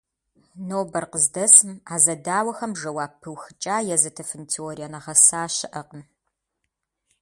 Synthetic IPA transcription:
noːbɐrqəzdɐsɨmaːzɐdaːwɐxɐmʒɐwaːpʰːɨwxɨt͡ʃʼaːjɛzɐtʰɐfɨntʰioːɾijanɐʁɐsaːʃɪʔɐqən

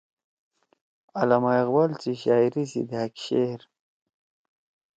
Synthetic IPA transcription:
alamaɣbalt͡siɕaːjɾisḭd̪ehakɕeɾ

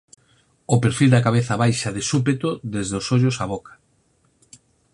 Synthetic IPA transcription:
ʊpeɾfild̪ɐkaβ̞eθɐβajʃɐðesup̬et̪oðezðeosoʎʊsaβ̞okʰḁ

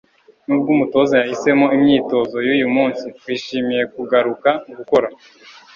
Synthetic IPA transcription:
nub̚ɡumuto̞zajahise̞mo̞imɲiːto̞zo̞juːjumuːnsiwiːʃiːmije̞kuɡaɾukauɡuko̞ɾa

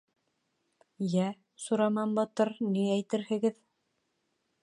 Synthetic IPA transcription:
jæ | suɾɑmɑmbɑt̪ɤɾniæjt̪ɘ̆ɾhɘ̆ɡɘð

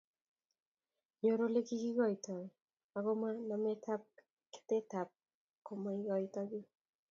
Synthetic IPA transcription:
ɲoɾolekiɡiɣajta | aɣomanamet̪ʰap̚ | ke̥t̪et̪ap̚ | komaiɡajtaɡi

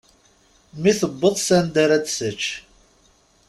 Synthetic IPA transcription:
miθəbːəðˤsænd̪aɾæd̪sət͡ʃː

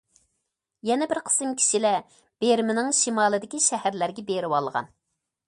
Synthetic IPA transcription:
jɛnɛbɪɾqʰə̥sɨŋkʲʰi̥ʃilɛ | b̥eɾmɪnɪŋʃimɑːlˠɨd̪ɪkʲiʃɛhæɾlæɾɡʲɛbeɾɪwɑlˠʁɑ̰n

